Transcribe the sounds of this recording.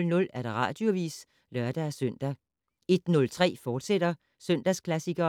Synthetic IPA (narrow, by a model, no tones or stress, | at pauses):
lnɔ̽læɐɾ̥ɑ̈ʁɑ̈ːd̥jo̝ʋḭːs | lɶɐd̥ææsøn̰d̥æ | e̝d̥nɔ̽lt͡sʰʁɛ̰ːfɒːd̥sed̥ɐ | søn̰d̥æskʰlæsiɡ̥ɐ